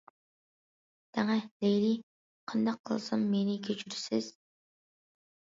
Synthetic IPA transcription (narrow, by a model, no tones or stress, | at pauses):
t̪ʰɛŋɛlejli | qʰɑnd̪ɑqʰːə̰lˠsɨmːenɪkʲʰøt͡ʃʰyɾsɪz̥